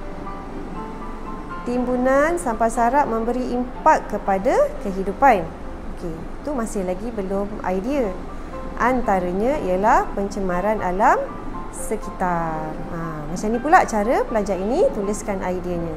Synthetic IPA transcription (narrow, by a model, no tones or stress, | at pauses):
t̪imbunansampasaɾaʔ̚mə̃mbəɾiʔimpakːəpadakəɦidupan | okʰe | it̪umãsɪhlaɡibəlʊma̰jdiə | ʔant̪aɾəɲaijəlahpəɲt͡ʃəmaɾanʔalam | səkit̪ar | ə̃ | mat͡ʃanĩpulaʔt͡ʃaɾəpəlad͡ʒaɾinit̪ulɪskanʔajdiaɲã